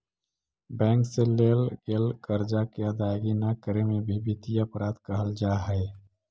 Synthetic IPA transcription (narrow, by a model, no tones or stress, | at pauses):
bɛ̃ːŋkselelɡelkəɾd͡ʒakeəd̪ajɡinakəɾemebʱibit̪iəpɾaːd̪kəɦəld͡ʒaɦəɪ